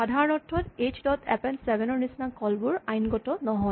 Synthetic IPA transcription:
adʱaɹɔnɔtʰːɹɔtet͡ʃdɔtʰɛpɛnsɛbɛnɔɹnisnakɔlbuɹajnɡɔtɔnɔɦɔ

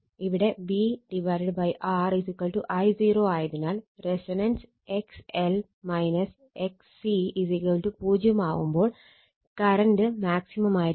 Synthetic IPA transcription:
iʋiɽe̞biɖiʋɐjɾɖbɐjʔaːrisikːwɐɭʈuʔɐjziːroːaːjɐðinaːlresɐnɐns | eksel | mɐjnɐs | eks | iisikwɐɭʈupuːd͡ʑjɐmaːʋumbo̞ːɭ | kɐrɐɳɖɨmaːksimɐmaːjiɾ

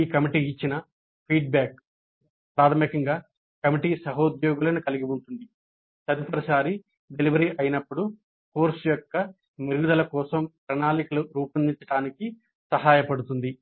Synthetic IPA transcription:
iːkɐmiʈiːit͡ʃːinɐ | pʰiːɖ̚baːk̚ | pɾaːt̪ʰɐmikɐŋɡaː | kɐmiʈiːsɐɦɐud̪jɔːɡulɐnukɐliɡibunt̪und̪i | sɐd̪ipɐɾɐsaːɾi | ɖe̞liʋɐɾiʔɐjɐnɐpːuɽu | koːɾsujɔkːɐ | niɾɡud̪ɐlɐkɔːsɐmpɾɐnaːlikɐluɾuːpɐnd̪iɲt͡ʃːɐʈaːniki | sɐɦaːjɐpɐɽut̪und̪i

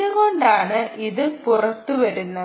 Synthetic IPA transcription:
ɯɣo̞ɳɖaːɳɨʔiðɨpurɐt̪ːuʋɐɾunːɐ

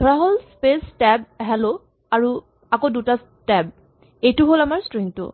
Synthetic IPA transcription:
dʱɔɹaɦolspestɛb̚ɦɛlo | aɹu | akodutas | tɛb̚ | ejtʊɦolamaɹstɹiŋtʊ̰

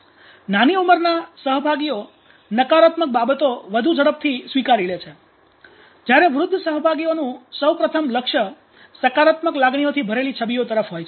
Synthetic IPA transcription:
naniuməɾnasəɦbʱaɡio | nəkaɾat̪mək̚babət̪oʋəd̪ʱud͡ʒəɽəp̚t̪ʰisʋikaɾilet͡ʃʰe | d͡ʒjaɾeʋɾʊd̪ʱːəsəɦbʱaɡionũsəwpɾət̪ʰəmləkʃə | səkaɾat̪məklaɡɳ̃iot̪ʰibʱəɾelit͡ʃʰəbiot̪əɾəfɦojt͡ʃʰe

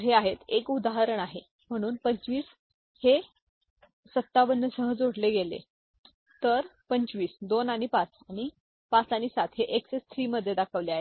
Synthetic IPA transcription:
ɦeaɦet̪ekud̪aɦaɾəɳ̃aɦe | m̤əɽ̃uːnpəɲt͡sʋiːs | he | sət̪ːaʋənːəsəɦəd͡zoɽleɡelḛ | t̪əɾpəɲt͡sʋiːsd̪onaɽ̃ipãt͡saɽ̃i | pãt͡saɽ̃isat̪ɦeʔeksest̪ʰɾiːməd̪ʱːjed̪akʰəʋleaɦet̪

